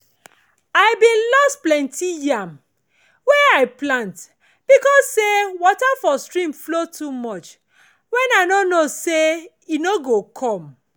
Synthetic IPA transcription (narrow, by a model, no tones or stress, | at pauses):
aɪbĩnlɔstplɛ̃ntʰijiam | wɛaɪplãnt | b̥ikɔsːewɔtafɔstɹĩmflotʰumɔt͡ʃ | wɛ̃naɪnonose | inoɡokʰɔ̃m